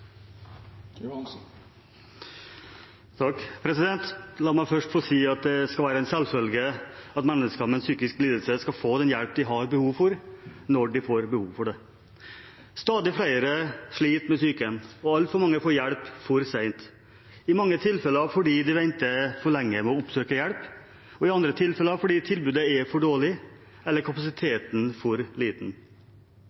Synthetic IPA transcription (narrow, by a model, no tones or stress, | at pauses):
t̪ʰɑkːpʰɾɛsɪd̪ɛnt̪lɑːmæɪfœʂʈfɔsiːɑt̪̚d̪ɛskɑlʋæːɾəæɪnsɛlfœlɡəɑt̪mɛnːəskɑmɛɛnsyːkɪskliːd̪əlsəskɑfoːd̪ɛnjæɽp̚d̪ɪɦɑɾbəhuːʋfɔɾnɔɖɪfoːɾbəhuːʋfɔɖɛ | st̪ɑːd̪ɪfɽæɪəɾəʂɭiːt̪mɛsyːkəənɔɑlt̪fɔɾmɑŋːəfoːɾjæɽpfɔɾsæɪnt̪ | ɪmɑŋːət̪ʰɪlfɛləɑfɔɖiːd̪ɪʋɛnt̪əfɔɭɛŋːəmɛɔʊpsøːkəjɛɽp | ɔɪɑnd̪ɾət̪ʰɪlfɛləɑːʋfɔɖiːt̪ʰɪlbʉːd̪əɛfɔɖoːɭɪ | ɛlːəɾkʰɑpɑsɪt̪ʰeːt̪n̩fɔɾliːt̪n